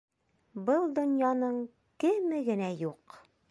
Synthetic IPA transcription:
bɤlˠd̪ŏnjɑnɤɴ | kɘ̆mɘɡɘ̆næjuq

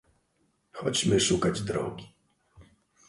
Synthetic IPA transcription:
xɔt͡ɕmɘʂukad͡ʑd̪ɾɔ̰ɡʲi

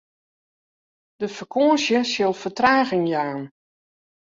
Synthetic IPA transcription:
d̥əfərkʰoːəsjəsjɪlˠfətraːɣɪŋjaːn

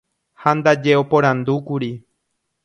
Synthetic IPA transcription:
hand̪ad͡ʒeopõɾ̃ãnd̪ukuɾi

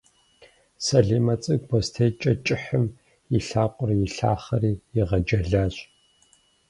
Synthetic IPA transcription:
sɐɮiːmɐt͡sʼɨɡ̚bʷɔstʰejt͡ʃʼɐt͡ʃʼɪħəm | jɪɬaːqʷʼʊrjɪɬa̰ːχɐriːjɪʁɐd͡ʒɐɮaːɕ

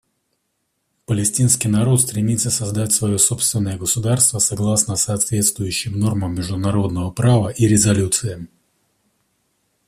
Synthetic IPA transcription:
pəlʲɪsʲtʲinskʲijnɐɾo̞t̪st̪ɾʲɪmʲit̪səsɐzd̪atʲsvɐjo̞so̞pst̪vʲɪnːəjəɡəsʊd̪arst̪vəsɐɡlˠasnəsɐːt̪vʲet̪st̪vʊjʉɕːɪmno̞rməmʲːɪʐd̪ʊnɐɾo̞d̪nəvəpɾavəʔiɾʲɪzɐlʲut̪sɨɪ

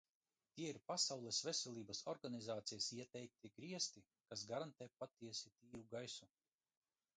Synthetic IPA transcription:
t̪ʲiɛiɾpasawlˠɛsvɛsʲɛlˠʲiːbasɔɾɡanizaːt̪sijasiɛt̪ɛjk̚t̪ʲiɡɾiɛst̪i | kasɡaɾant̪ɛːpat̪iɛsʲit̪iːɾuɡajsu

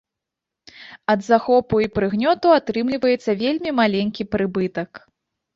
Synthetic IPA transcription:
ɐd̪zaxɔpuipɾɨɣnʲɔt̪uat̪ɾɨmlʲivɐjɛt̪sːɐvʲelʲmʲimalʲenʲkʲipɾɨbɨt̪ɐk

